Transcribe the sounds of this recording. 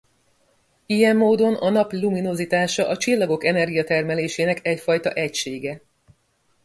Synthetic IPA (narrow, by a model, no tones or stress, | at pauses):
ijɛmːoːd̪o̞nɒnɒpluminozit̪aːʃɒʔɒt͡ʃilːɒɡo̞kɛnɛrɡijɒt̪ɛrmɛleːʃeːnɛkɛcfɒjt̪ɒ̰ʔɛcʃeːɡɛ